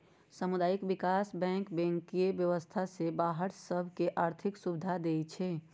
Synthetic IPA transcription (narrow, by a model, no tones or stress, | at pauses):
səmʊd̪aːjɪkbɪkaːsbɛ̃ːŋkbɛ̃ŋkiebjəʋəst̪ʰasebaːɦəɾsəbʱkeʔaːɾt̪ʰɪksubɪd̪ʱad̪eːt͡ʃʰɛː